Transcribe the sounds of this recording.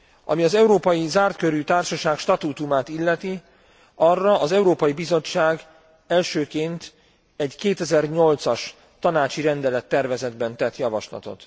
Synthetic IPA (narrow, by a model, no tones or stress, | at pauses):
ɒ̰miɒzɛuɾoːpɒjizaːrt̪køɾyt̪aːrʃɒʃaːkʃt̪ɒt̪ut̪umaːt̪ilːɛt̪i | ɒrːɒʔːzɛuɾoːpɒjibizo̞t͡ʃːaːɡ | ɛlʃøːkeːnt̪ | ɛɟkeːt̪ɛzɛrɲo̞lt̪sɒʃ | t̪ɒnaːt͡ʃiɾɛnd̪ɛlɛt̪ːɛrvɛzɛd̪bɛnt̪ɛt̪jɒvɒ̰ʃlɒ̰t̪o̞̰t̪